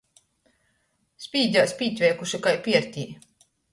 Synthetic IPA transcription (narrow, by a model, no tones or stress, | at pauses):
spʲiːd͡ʑʲaːsʲpʲiːt̪ʲvʲɛːkuʃikajpʲiɛɾt̪ʲiː